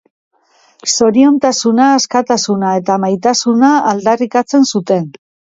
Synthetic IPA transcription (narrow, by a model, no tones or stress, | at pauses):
so̞ɾio̞nt̪asunaːskat̪asunae̞t̪amajt̪asunaːld̪arikat͡se̞nsut̪e̞n